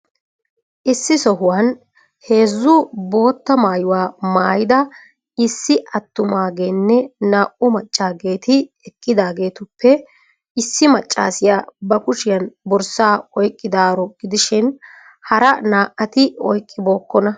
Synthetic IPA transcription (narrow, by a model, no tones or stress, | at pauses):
ʔɪsːɪsɔɦʊwɐn | he̞ːzːʊbo̞ːt̪ːɐmaːjʊwaːmaːjɪd̪ɐ | ɪsːɪʔɐt̪ːʊmaːɡe̞ːnːɛnaːʔʊmɐt͡ʃʼːaːɡe̞ːt̪ɪɛkʼːɪd̪aːɡe̞ːt̪ʊpːɛ | ɪsːɪmɐt͡ʃʼːa̰ːsɪjaːbɐkʊʃɪjɐnbɔɾsaːɔjkʼːɪd̪aːɾɔɡɪd̪ɪʃɪn | hɐɾɐnaːʔɐt̪ɪɔjkʼːɪbo̞ːkːɔnɐ